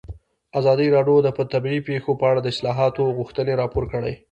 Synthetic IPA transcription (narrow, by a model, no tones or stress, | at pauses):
azɑd̪iɾɑɖjod̪əpət̪abiipexopəaɽad̪əɪslɑɦɑt̪oɣuxt̪əneɾɑpoɾkəɽəj